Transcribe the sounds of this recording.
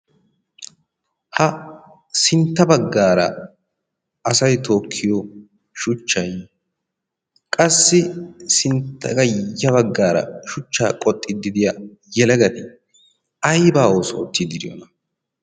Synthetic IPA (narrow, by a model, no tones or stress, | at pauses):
hɐ | sɪnt̪ːɐbɐɡːaːɾɐ̰ | ɐsɐjt̪ʰo̞ːkʰːɪjɔ | ʃʊt͡ʃːɐj | kʼɐsːɪsɪnt̪ːɐɡɐjɐβɐɡːaːɾɐ̰ʃʊt͡ʃːaːkʼɔt̪ʼːɪd̪ɪd̪ɪja | jɛlɛɡɐt̪ɪ | ɐjbaːoːso̰ːt̪ːɪd̪ɪɾɪjɔ̰nɐ